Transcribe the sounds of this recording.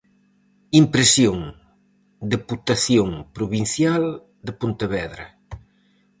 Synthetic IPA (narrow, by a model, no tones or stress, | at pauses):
impɾesjoŋ | d̪eput̪aθjoŋpɾuβin̟θjal | d̪epunt̪eβɛðɾɐ